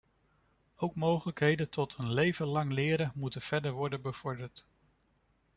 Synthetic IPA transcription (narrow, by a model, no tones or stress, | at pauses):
owkmowχələkɦejdəntʰɔtənlejvənlɑŋlɪːɾənmutənv̥ɛɹdəɹʋɔɹdəbəv̥ɔɹdəɹt